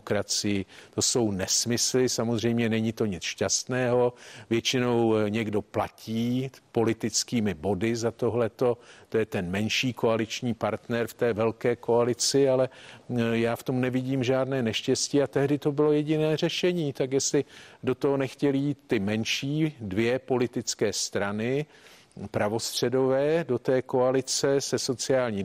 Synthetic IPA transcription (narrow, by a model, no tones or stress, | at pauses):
kɾat͡sɪjɪt̪o̞so̞wnɛsmɪslɪsamo̞zr̝ɛjmɲɛnɛɲɪt̪o̞ɲɪt͡sʃcast̪nɛːɦo̞vjɛt͡ʃɪno̞wɲɛɡdo̞placʰiːpo̞lɪt̪ɪt͡skiːmɪbo̞dɪzat̪o̞ɦlɛt̪o̞tt̪o̞jɛt̪ɛnmɛnʃiːko̞alɪt͡ʃɲiːpaɾt̪nɛɾft̪ɛːvɛlkɛːko̞alɪt͡sɪalɛ | jaːft̪o̞mnɛvɪɟiːmʒaːdnɛːnɛʃcɛsciːat̪ɛɦdɪt̪o̞bɪlo̞jɛɟɪnɛːr̝ɛʃɛɲiːt̪akjɛslɪdo̞t̪oɦo̞nɛxcɛlɪjiːt̪ːɪmɛnʃiːdvɪjɛpo̞lɪt̪ɪt͡skɛːst̪ɾanɪ | pɾavo̞st̪r̝̥ɛdo̞vɛːdo̞t̪ɛːko̞alɪt͡sɛsɛso̞t͡sɪaːlɲiː